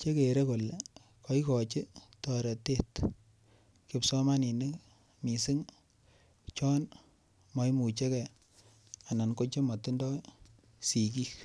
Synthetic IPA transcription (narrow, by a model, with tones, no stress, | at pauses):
t͡ʃe˦ke˨ɾe˦ko˨le˨ | kɔ˦i˦kɔ˨t͡ʃi˦tɔ˨ɾɛ˨te˦t | ki˦psɔ˦ma˦ni˨nɪ˦k | mi˨si˦ŋ | t͡ʃɔ˦n | mɔ˦jmu˨t͡ʃe˦ke˨ | a˨na˨nko˦t͡ʃe˦mɔ˨tu˦ndɔ˦ | si˨ki˦k